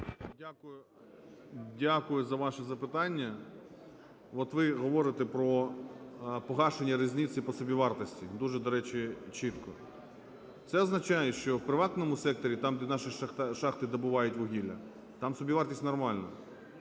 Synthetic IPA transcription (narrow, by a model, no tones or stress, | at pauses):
dʲakʊjʊ | dʲakʊjʊzɐʋɑʃɛzɐpɪt̪ɑnʲːɐ | ɔt̪ʋɪɦɔʋɔɾɪt̪ɛpɾɔ | pɔɦɑʃenʲːɐɾɪzʲnʲit̪sipɔsɔbʲiʋɑrt̪ɔsʲtʲid̪uʒɛd̪ɔɾɛt͡ʃit͡ʃit̪kɔ | t̪sɛɔznɐt͡ʃɑjɛʃt͡ʃɔwpɾɪʋɑt̪nɔmʊsɛk̚t̪ɔɾʲit̪ɑmʲnɑʃiʃʃɑxt̪ɪd̪ɔbʊʋɑjʊtʲʋɔɦʲilʲɐ̰ | t̪ɑmsɔbʲiʋɑrt̪ʲisʲtʲnɔrmɑlʲnɐ